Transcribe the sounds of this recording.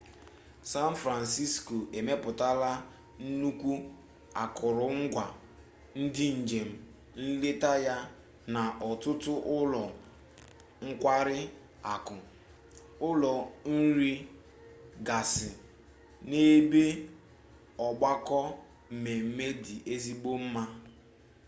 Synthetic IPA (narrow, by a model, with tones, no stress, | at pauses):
sa˦n˦fɾa˨nsi˦sko˨e˨me˦pʊ˨ta˦la˦ | n̩˦nu˦kʷu˦ | a̰˨kʊ˨ɾʊ˨ŋ̩˦ɡʷa˨ | n̩˦dɪ˦n̩˨d͡ʒe˨m̩˦ | n̩˦le˦ta˦ja˦ | na˨ʔɔ˨tʊ˦tʊ˦ʔʊ˦lɔ˨ | ŋ̩˦kʷa˦ɾɪ˦ | a˨kʊ˨ | ʊ˦lɔ˨n̩˦ɾi˦ | ɡa˨sɪ˨ | ne˦be˦ | ɔ˨ɡ͡ba˦kɔ˦˨ | me˨m̩˦me˦di˨ʔe˦zi˦ɡ͡bo˦m̩˦ma˦